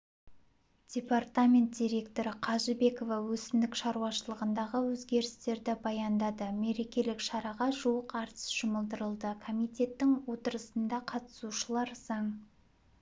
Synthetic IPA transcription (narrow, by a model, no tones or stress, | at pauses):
d̥ʲe̞part̪amʲe̞nt̪̚d̥ʲiɾe̞kt̪o̞ɾɪqʰɑʒəbe̞ko̞vɑwɵsɪmd̪ɪkʃɑɾuɑʃəlˠəʁənd̪ɑʁəwɵzɡʲe̞ɾɪst̪e̞ɾd̪ɪbɑjɑnd̪ɑd̪əme̞ɾe̞kʲe̞lɪkʃɑɾɑʁɑʒuwəqɑɾt̪ʰə̥sʒ̥ʊməlˠd̪əɾəlˠd̪əkʰo̞mijt̪ʲe̞t̪ːɪŋwo̞t̪əɾəsənd̪ɑqʰɑt̪ə̥suʃəlˠɑɾzɑŋ